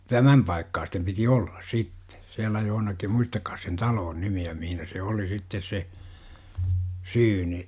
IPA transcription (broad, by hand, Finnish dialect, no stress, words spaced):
tæmæm pɑikːɑːstem piti olːɑs sitːe siælæ johonɑkim muistɑkːɑːs sen tɑloːn nimiæ mihinæ se oli sitːes se syːni